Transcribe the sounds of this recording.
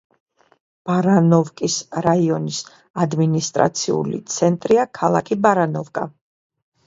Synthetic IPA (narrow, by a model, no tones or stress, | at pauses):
b̥aɾanɔvkʼisɾaiɔnis | ad̪minist̪ʼɾa̰t̪sʰiṵlḭt̪sʰɛnt̪ʼɾiakʰalˠa̰kʰibaɾanɔvkʼa̰